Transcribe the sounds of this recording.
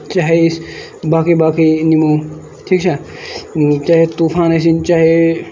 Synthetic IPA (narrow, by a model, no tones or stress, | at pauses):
t͡ʃaːɦes | baːkibaːkinimoː | ʈʰiːkt͡ʃʰa | t͡ʃaːɦet̪uːpʰãːnesint͡ʃaːɦe